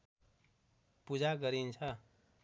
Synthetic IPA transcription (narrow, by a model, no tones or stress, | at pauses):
pud͡ʒaɡʌɾint͡ʃʰʌ